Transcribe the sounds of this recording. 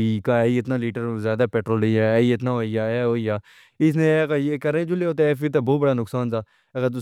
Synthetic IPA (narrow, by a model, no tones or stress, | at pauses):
iːkaːiːɪt̪naːliːʈəɾzjaːd̪aːpɛːʈɾoːləaːiɪt̪nãːɦoːijaːɛɦoːijaː | ɪs̬nẽːkajeːkəɾẽd͡ʒʊleoːt̪̬eɛːfit̪̬abɔːt̪bəɽaːnʊksaːnt̪aː | əɡəɾt̪̬ʊ